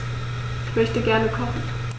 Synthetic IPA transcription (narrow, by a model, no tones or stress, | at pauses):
ɪçmœçtəɡɛɐnəkʰɔχn̩